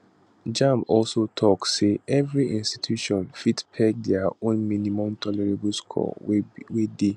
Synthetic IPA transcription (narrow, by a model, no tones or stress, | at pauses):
d͡ʒãmbɔlsotʰɔksːeʔɛvɹiʔĩnsti̥tʰjuʃɔ̃nfitpʰɛk̚dɛaõnmĩnĩmɔ̃mtʰɔlɛɹeblskʰɔ̰wede